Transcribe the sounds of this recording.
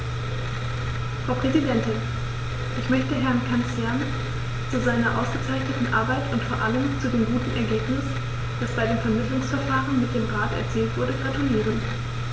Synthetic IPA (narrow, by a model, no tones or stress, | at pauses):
fʁ̥aʊpʁ̥ɛzidɛntɪn | ʔɪçmœçtəɦɛɐnkʰansɡ̥ɛɐnə | t͡suzaɪnɐʔa̰ʊsɡ̥ət͡saɪçnətn̩ʔa̰ɐbaɪtʊntfoːɐʔaləmt͡sudeːmɡuːtn̩ʔɛ̰ɐɡeːpnɪs | d̥asb̥aɪdeːmfɛɐmɪtlʊŋsfɛɐfaːʁənmɪt̚d̥eːmʁaːtɛ̰ɐt͡siːltv̥ʊɐdəɡʁatuliːʁ̞ən